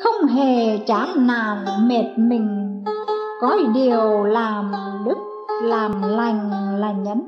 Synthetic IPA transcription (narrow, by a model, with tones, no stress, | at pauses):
xə˧wŋ͡mɦe˨˩t͡ɕaː˨˦naː˧˩nme˨˩t̚mï˨˩ŋ̟ | kɔ˨˦ɗi˨˩əwwlaː˨˩mɗɨ˦˥k̚laː˨˩mla˨˩jŋ̟laː˨˩ɲə˨˦n